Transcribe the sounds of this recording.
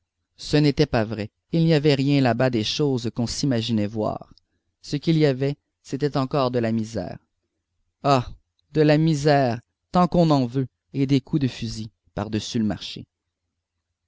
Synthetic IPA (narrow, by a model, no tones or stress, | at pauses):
sənet̪ɛpavʁɛ | ilniavɛʁjɛ̃labad̪eʃoːzkɔ̃simaʒinɛvwa̰ːʁ | səkʲiliavɛ | set̪ɛt̪ɑ̃kɔːʁd̪əlamizɛ̰ːʁ | a | d̪əlamizɛːʁ | t̪ɑ̃kɔ̃nɑ̃vø | ed̪ekʰud̪əfyzi | paʁd̪əsyləma̰ʁʃḛ